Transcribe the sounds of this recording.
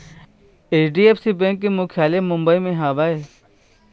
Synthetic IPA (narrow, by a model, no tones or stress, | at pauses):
eːt͡ʃɖiːeːfsiːbẽːŋkːemũːkʰjaːlemʊ̃mbəiːmẽɦaːʋaːeː